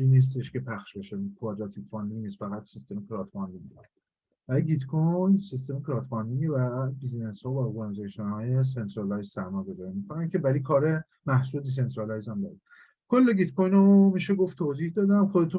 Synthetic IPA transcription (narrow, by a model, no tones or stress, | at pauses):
iniːs̬t̪eʃkepʰæxʃbeʃekʰuɒd͡ʒ̪ɒt̪ʰipfɒnliniːst̪fæɣæt̪sist̪emekʰɾɒt̪bɒnd̪iŋɡ | bv̥æliɡit̪kʰojnsist̪e̞mekʰɾɒt̪ʰbɒnd̪iŋɡevæbizneshɒːvæɔɾɡɑnizɑːʃenhɒːjes̬ent̪ʰɾɑlɑjzsæɾmɒːɡozɒɾimot̪fæɣæncʰʲevælikʰɒːɾe | mæhsuld̪is̬ent̪ɾɑlɑjzæmd̪ɒ̰ːɾid̪̥ | kʰolːeɡid̪kʰojnomiːʃeɡoft̪ʰoːzihd̪ɒːd̪ænxod̪et̪ʰu